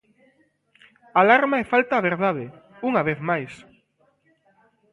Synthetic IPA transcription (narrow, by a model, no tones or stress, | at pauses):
alaɾmaefalt̪aːβeɾðaðe | uŋaβeθmajs